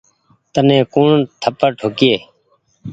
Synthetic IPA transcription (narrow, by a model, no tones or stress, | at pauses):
t̪ənẽːkuːɳt̪ʰəpəɾʈʰoːkɪjeː